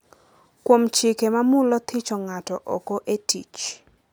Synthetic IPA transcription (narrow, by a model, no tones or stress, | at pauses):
kwomt͡ʃɪkemamʊlɔt̪ʰɪt͡ʃɔŋatɔʔɔkoʔetit͡ʃ